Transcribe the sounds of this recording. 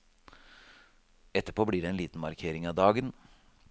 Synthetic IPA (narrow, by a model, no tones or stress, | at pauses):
ɛt̪ːəpʰoːblɪːɖɛɛːnliːt̪n̩mɑɾkʰeːɾɪŋɑːd̪ɑːɡən